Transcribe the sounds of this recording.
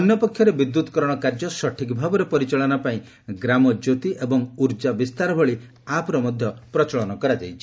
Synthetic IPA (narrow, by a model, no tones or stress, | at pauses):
ɔnjɔpɔkʰjɔɾebid̪ːut̪ɔkɔɾɔɽ̃ɔkaɾd͡ʒɔsɔʈʰikbʱabɔɾepɔɾit͡ʃaɭɔnapaĩ | ɡɾamɔd͡ʒot̪iʔebɔŋuɾd͡ʒabist̪aɾɔbʱɔɭi | apɔɾɔmɔd̪ʱjɔpɾɔt͡ʃɔɭɔnɔkɔɾad͡ʒajt͡ʃʰi̥